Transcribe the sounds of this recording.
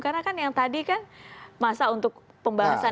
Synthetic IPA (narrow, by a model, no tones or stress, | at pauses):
karnakanjaŋt̪adikanmasaunt̪ʊk̚pəmbaɦasa